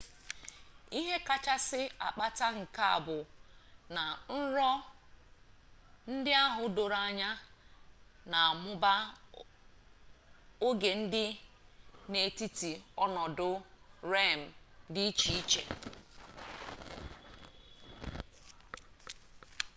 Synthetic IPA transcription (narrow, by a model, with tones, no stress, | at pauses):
i˦ɦe˦ka˦t͡ʃa˦sɪ˦a˨k͡pa˦ta˦ŋ̩˨ka˦a̰˨bʊ˨na˨n̩˦ɾɔ˦ | n̩˦dɪ˦a˦ɦʊ˨do˨ɾa˨ɲa˦ | na˨a˨mʊ˦ba˦ | o˦ɡe˨n̩˦dɪ˦ | ne˨ti˦ti˨ɔ˦nɔ˨dʊ˦ɾe˦˨m̩˨di˦i˦t͡ʃi˨i˦t͡ʃḛ˨